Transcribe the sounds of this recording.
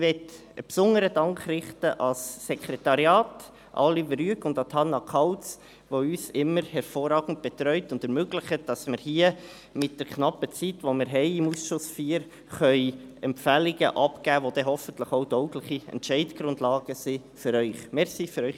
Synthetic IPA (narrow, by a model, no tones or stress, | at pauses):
ʋɛt | ə̰psʊnəɾəd̥ɑŋkrɪχtəʔɑsːɛkʰɾetɑɾjɑːt | ʔɑ̰lːivɾyəkʊndɑtʰɑnːɑkʰɑwt͡s | ʋoyːsɪmːəɾhɛɾfoːɾɑːɡn̩t̚b̥ɛt̪ɾœʏtʊndɛɾmøɡlɪχəd̥ɑsmɪɾhiːə | mɪt̚d̥ɛɾkʰnɑpət͡sitʋomɪɾɦɛɪɪmusʃʊsfiːɾ | χœʏɛmpfæliɡəʔɑpɡæːʋod̥ɛɦɔfəntləχoʊdɔʊklɪχiɛ̰ntʃɛɪtɡ̥ɾʊndlɑːɡ̥əsi | fʏɾœʏχmɛɾsifyɾœʏ